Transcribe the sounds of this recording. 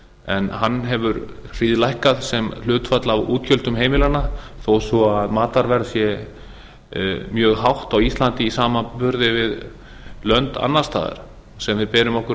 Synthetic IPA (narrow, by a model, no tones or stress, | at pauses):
ɛnhanːɦɛvʏɾr̥iːðlajhkaðsɛml̥ʏːt̪fat̪lavuːt̪çœlt̪ʏmɦeːjmɪlanaθowsɔaðmaːt̪aɾvɛɾðsjɛ | mjœːɣɦawht̪awist̪lant̪ɪisaːmapʏɾðɪvɪð | lœnt̪a̰nːḁst̪ʰa̰ːðɪ̰ɾ̥ | sɛmvɪðpɛːɾʏmɔhkʏ